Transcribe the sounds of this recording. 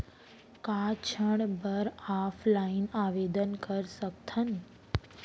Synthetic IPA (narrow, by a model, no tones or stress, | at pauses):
kat͡ʃʰəɳbəɾafʰlainaʋed̪ənkəɾsək̚t̪ʰən